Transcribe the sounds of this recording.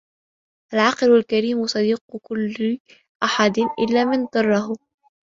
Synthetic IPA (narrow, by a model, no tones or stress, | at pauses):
ʔalʕɑqlalkaɾiːmʊsˤɑd̪iːq̚kʊlː | ʔaħad̪ʔɪ̰lːaːmɪnd̪ˤɑrˤːɑhʊ